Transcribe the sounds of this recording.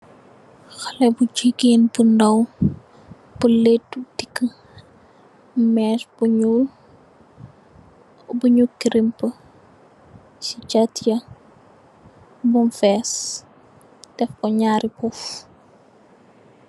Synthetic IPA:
xɐlɛbud͡ʒiɡeːnbundɐw | b̥əletːutikːə | mɛːsbuɲul | buɲukːiɾimpə | sit͡ʃɐtjɐ | bunfɛs | tɛfkɔɲaːɾʔipuf

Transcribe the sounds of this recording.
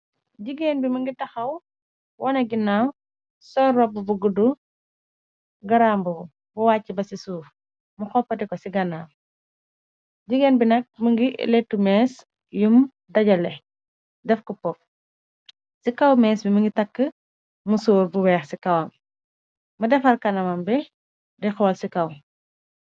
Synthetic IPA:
ɟiɡenbimɐŋɡitɐxɐw | wʔɔnɐɡinaw | sɔrːɔbubuɡudu | ɡɐɾaːmbu | buwaːcːibɐsisuːf | muxɔpːɐtikɔsiɡɐnaː | ɟiɡeːnbinɐk̚mɐŋɡḭlɛtːumɛːs | jum | dɐɟɐlɛ | dɛfkɔpɔp̚ | sikɐwmɛːsbɛmɐŋɡitɐkːə | musuːɾbuwɛːxsikɐwɐm | mɐdɛfɐlkɐnɐmɐmbɛ | dɛxɔːlsikɐw

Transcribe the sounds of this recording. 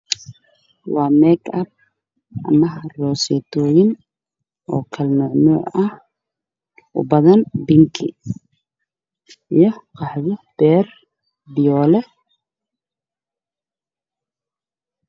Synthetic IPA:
wɑːmɛɡʰɐb̚ | ʔɐ̰mɐɦɐrɔːsɛt̪ʰɔːjɪn | ʔɔːkʰɐlnɔʕnɔːʕɐh | ʔʊ̰bɐðɐnbɪŋkʰɪ̰ | ijɔqʰɑħðɪb̥ɛːr | bɪjɔːlɛ

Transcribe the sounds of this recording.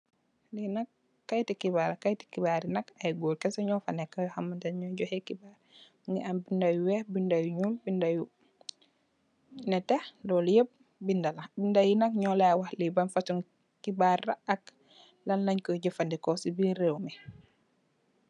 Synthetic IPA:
linɐkː | ajtikibaɾakajti̥kibaɾinɐkajɡoːlkɛsɔɲɔfanɛkːajhamantanɲɔɟɔhekibaːɾ | ŋɡɛambindajuwɛhbindajuɲuːlbindaju | nɛtɛhlɔːljeb̚ | bindalabindajinɐkɲɔlawahlibanfatuŋ | kibaːrːaɐk̚ | lanlaɲkɔɟɔfandikɔsibiɾewmɛ

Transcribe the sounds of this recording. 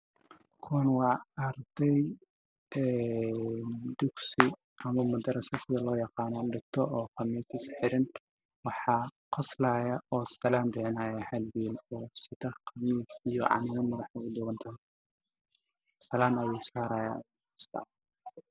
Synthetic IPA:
kʰʊwɐnwɑːɐɾd̪̥ɛj | ɛ | nd̪ʊksɪ | ɐmɐmɐd̪ɐɾɐsɐsɪðɐlɔːjɑqɑːnɔɖɪɡ̚t̪ʰɔʔɔːqɑmiːsɪsħɪɾɪn | wɑħɑːqɔslaːjɐɔːsɐlaːnb̪ɪʕɪnaːjɐhɐlwiːlɔːsɪðɐqɑmiːsijɔ̰ʕɑ̰nɪmɐmɐðɐħɐʊd̪ʊwɐnt̪ʰɐɦɛ | sɐlaːnɐjuːsaːɾaːjɐ̰ | ɐst̪ʰa̰ː

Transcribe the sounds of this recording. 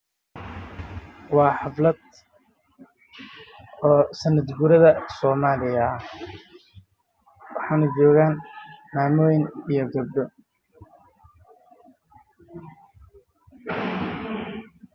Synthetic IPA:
wɑːħɑflɐd̪ | ɔːsɐnɐd̪ɡuɾɐðɐsɔːmaːlɪjɐɐ | wɑħɑːnɐd͡ʒɔːɣaːnmaːmɔːjɪnijɔɡɐb̚ɖ̪ɔ

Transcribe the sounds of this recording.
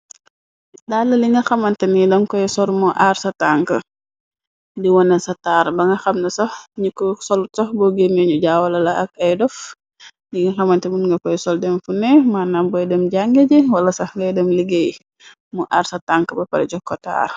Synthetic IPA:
dalːɐliŋɡɐxɐmɐntɛnidɔnkɔjsɔlmɔʔarsɐtaŋkə̰ | diwɔnɐsɐtaːɾbɐŋɡɐxɐmnɐsɐhɲukɔsɔlutsɔhbɔɡenɛɲuɟaːwɐlɐlɐʔɐk̚ɐjdɔf | niŋɡɐxɐmɐntɛbunŋɡɐkɔjsɔldɛmfunɛmanambɔjdɛmɟaŋɡed͡ʒɛwɐlɐsɐhŋɡɐjdɛmliɡej | mɔʔaɾsɐtaŋkəbɐpɐ̰ɾɛɟɔkːɔta̰ːr

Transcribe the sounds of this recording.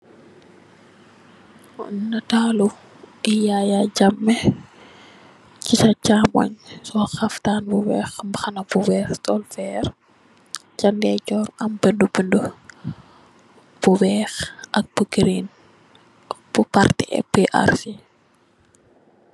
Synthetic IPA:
nɐtaːlu | ijajaɟɐmːɛ | citɐt͡ʃaːmɔ̰ɲsɔxɐftaːnbuwɛ̰ːxmbɐxɐnɐbuwɛːxtɔlfɛr | t͡ʃɐndɛt͡ʃɔːɾɐmbəndubəndə | b̥uwɛːxʔɐk̚b̥uɡɾin | b̥upartiɛ̰beʔa̰ɾsi

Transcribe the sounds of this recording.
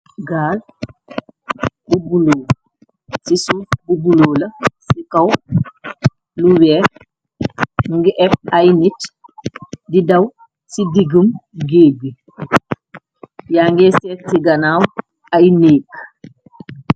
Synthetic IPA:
ɡaːl | bubuloːl | sisububuloːlɐsikɐw | luwɛ | ŋɡiʔɛp̚ɐjnit | didɐw | sidiɡumɡeːbi | jaːŋɡɛsɛt̚siɡɐnaːw | ajneːk

